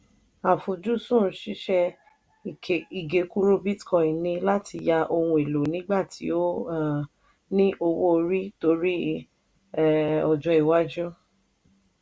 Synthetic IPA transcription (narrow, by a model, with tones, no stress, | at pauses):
a˨fo˨d͡ʒu˦sũ˦˨˦ʃi˦ʃɛ˦˧ | i˨ke˨i˨ɡe˨˦ku˦ɾo˦bi˦tkɔ̃˨i˨nĩ˧la˦ti˧ja˧ʔo˧wũ˧e˨lo˨nĩ˦ɡ͡ba˦˨tʰḭ˨˦o˦˨ | nĩ˦ʔo˧wo˦o˧ɾi˦to˧ɾi˦˨ | ɔ˨d͡ʒɔ̃˧˦i˨wa˦d͡ʒu˦